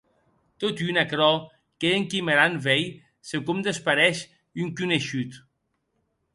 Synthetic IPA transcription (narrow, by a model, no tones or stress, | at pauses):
t̪ot̪ynakɾɔ | keːŋkimeɾanvɛj | sekumd̪espaɾɛʃ | yŋkyneʃyt̪